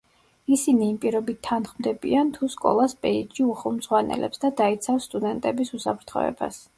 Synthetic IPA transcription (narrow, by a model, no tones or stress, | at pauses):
isiniːmpʼiɾɔbit̪ʰːanχmd̪ɛbḭant̪ʰuskʼɔ̰lˠasbʼɛid͡ʒiuχɛlˠmz̥ʁwanɛ̰lɛ̰psd̪ad̪ait̪sʰafsːt̪ʼud̪ɛnt̪ʼɛbisusapʰɾt̪ʰχɔ̰ɛ̰ba̰s